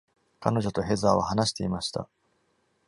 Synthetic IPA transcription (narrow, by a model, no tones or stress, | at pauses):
ka̰no̞ʑo̞t̪o̞ɦe̞zaːβahanaɕi̥t̪e̞imaɕi̥t̪a̰